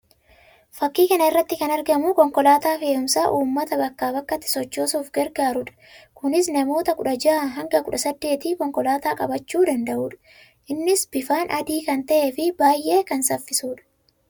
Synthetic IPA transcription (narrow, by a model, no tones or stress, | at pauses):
fɐkːiːkɐnɐɪrːɐt̪ːɪkɐnɐɾɡɐmʊkɔŋkɔlaːt̪aːfe̞ːʊmsaːʔuːmːɐt̪ɐbɐkːaːbɐkːɐt̪ːɪ̥sɔt͡ʃːoːsuːfɡɛɾɡaːɾʊᶑɐ̥kʊnɪsnɐmo̞ːt̪ɐkʊᶑɐd͡ʒaːɦɐŋɡɐkʊᶑɐsɐd̪ːe̞ːt̪iːkɔŋkɔlaːt̪aːkʼɐ̰bɐt͡ʃːuːd̪ɐnd̪ɐʔuːᶑɐ̥ | ʔɪnːɪsb̥ɪfaːnʔɐd̪iːkɐnt̪ɐʔeːfɪbaːjʔe̞ːkɐnsɐfːɪsuːᶑɐ̥